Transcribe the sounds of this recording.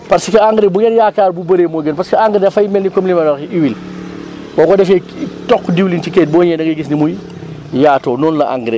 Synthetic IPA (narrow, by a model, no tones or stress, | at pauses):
pɐɾsikɐaŋɡɾebuɡɛnjaːkaːɾbubɐɾeːmɔːɡənpɐɾskiaŋɡɾedɐfɐjmɛlnikomlimɐlɔɾxiʔiwil | kɔkɔdɛfɛtɔkːdiwlint͡ʃikɛt̚bɔːɲɛdɐɡɡis̬nimuj | jaːtɔːnɔːnlɐʔa̰ŋɡɾe